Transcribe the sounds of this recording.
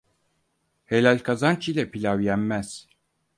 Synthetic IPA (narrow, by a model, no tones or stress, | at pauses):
helʲalʲkʰazant͡ʃʰilʲɛpʰilʲawjæmmæz̥